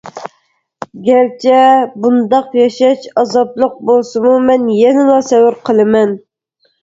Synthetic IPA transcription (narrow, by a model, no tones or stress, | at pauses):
ɡʲɛɾt͡ʃʰɛbund̪ɑqjɑʃɑt͡ʃɑzɑblˠəq̚bolˠsɨmumɛnjɛnɪlˠɑsɛwɪɾqʰəlˠɨmɛn